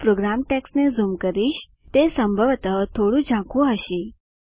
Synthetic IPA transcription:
pɾoɡɾamʈeksnezumkəɾiːɕ | t̪esəmbʱəʋt̪ət̪ʰoɽũd͡ʑʱãkʰũəɕi

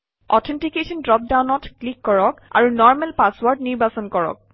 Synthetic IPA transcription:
ɔtʰɛntikesɔndɹɔp̚dawnɔtklikːɔɹɔka̰ɹunɔɹmɛlpaswɔɹdniɹbasɔnkɔɹɔ̰k̚

